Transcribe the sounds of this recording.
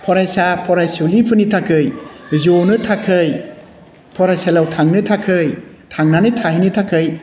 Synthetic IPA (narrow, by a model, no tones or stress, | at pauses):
pʰɔɾajsapʰɔɾajsulipʰɯnitʰakʰɯjzonɯtʰakʰɯj | pʰɔɾajsalawtʰaŋnɯtʰakʰɯj | tʰaŋnanɯtʰaɦinitʰakʰɯj